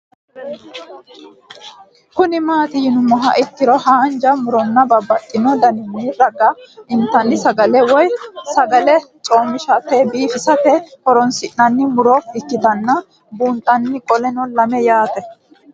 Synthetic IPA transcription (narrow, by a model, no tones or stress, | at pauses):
kʊnɪmaːt̪ɪjɪnʊmːɔɦɐ̰ʔɪt̪ːɪɾɔhaːnd͡ʒɐmʊɾɔnːɐbɐbːɐtʼːɪnɔd̪ɐnɪnːiːɾɐɡɐɪnt̪ːɐnːɪsɐɡɐlɛwɔjsɐɡɐlɛt͡sʼo̞ːmːɪʃɐt̪ɛbiːfɪsɐt̪ɛhɔɾɔnsɪʔnɐnːɪmʊɾɔɪkːɪt̪ɐnːɐ | buːnt̪ʼːɐnːɪkʼɔlɛnɔlɐmɛjaːt̪ɛ